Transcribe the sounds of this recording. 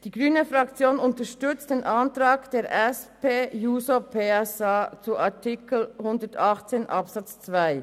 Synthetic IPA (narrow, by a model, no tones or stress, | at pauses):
d̥iːɡʁyːnəfʁɑkt͡sjoːnʊntəʃtʏt͡std̥eːnʔɑntʁaːɡd̥eːɾʔɛspeːjuːsopʰeɛsat͡suʔatʰɪkl̩hʊndətɑχt͡seːnʔɑpsɑt͡st͡sv̥aɪ